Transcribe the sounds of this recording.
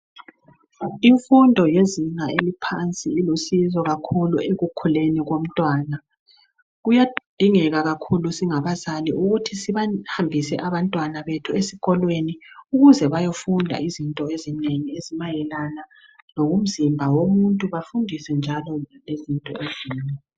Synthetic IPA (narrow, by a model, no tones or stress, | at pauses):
iɱfundʱɔjeziŋaelipʰant͡sʼiːlusizɔɣakʰulueɣukʰuleniɣom̩tʼwaːna | ɣujad̥ʱiŋɛɣaɣakʰulusiŋaβazaliuɣutʰisiβahambʱisɛ̰ʔaβantʼwanaβetʰuesiɣɔlweniuɣuzɛβajofundʱa̰izintʼɔezineŋiezimajɛlana | loɣum̩zimbʱawomuntʼuβafundʱisɛnd͡ʒʱalɔlezintʼɔ̰eziːna